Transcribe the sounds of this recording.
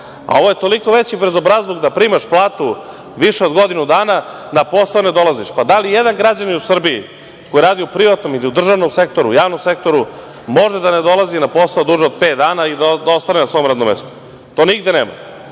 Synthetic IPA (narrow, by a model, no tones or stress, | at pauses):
a̰o̞ʋojet̪o̞liko̞ʋet͡ɕibɾezo̞bɾazlˠoɡd̪apɾiːmaʃplˠaːt̪u | ʋiʃeo̞d̪ɡo̞d̪inud̪aːnanapo̞saoned̪o̞lˠaziʃpad̪alijed̪aŋɡɾad͡ʑaniusr̩biḭ | ko̞jiɾaːd̪iupɾiʋat̪no̞miliud̪r̩ʒaʋno̞mse̞k̚t̪o̞ɾṵjaːʋnomse̞kt̪o̞ɾu | mo̞ʒed̪aned̪o̞lˠazinapo̞saod̪uːʒeod̪̚pet̪̚d̪aːnaid̪ad̪aost̪anenasʋo̞ːmɾad̪nomḛst̪u̥ | t̪o̞ːniɡd̪eneːma̰